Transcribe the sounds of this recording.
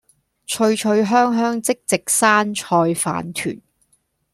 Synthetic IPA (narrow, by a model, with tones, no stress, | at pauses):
t͡ʃʰɵ˧ɥt͡ʃʰɵ˧ɥɦœː˥ŋɦœː˥ŋt͡sɪ˥k̚t͡sɪ˨k̚saː˥nt͡ʃʰɔː˧jfa̰ː˨˥nt̪ʰy̰ː˨˩n